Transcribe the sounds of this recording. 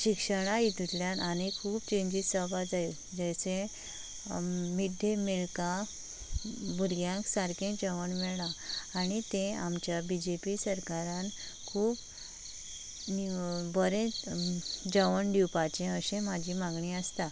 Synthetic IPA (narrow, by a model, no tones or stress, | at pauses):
ɕikʂəɽ̃ait̪ut̪ljãnʔanikʰuːbt͡ɕẽɲd͡ʑiːsəbad͡zaj | d͡ʑajsẽ | mid̪ʱẽmeɭka | buɾɡjãŋksaɾkẽd͡ʑəʋəɳmɛɭlaːɽ̃it̪ẽamt͡ɕjabid͡ʑepisəɾkaɾãn | kʰuːp | nibəɾẽ | d͡ʑəʋəɳɖiwpat͡ɕẽəɕẽmad͡ʑʱiːmãɡɳiəst̪a